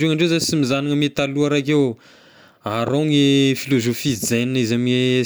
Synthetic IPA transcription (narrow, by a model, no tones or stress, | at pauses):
eŋaɳɖ͡ʐewzasimizaniŋəmet̪aluaɾak̬e | aɾoŋefilozofid͡zeninizamiŋe